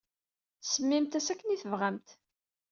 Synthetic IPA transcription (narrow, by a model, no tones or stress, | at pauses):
səmːimt̪æsækːəniθəvʁæmt̪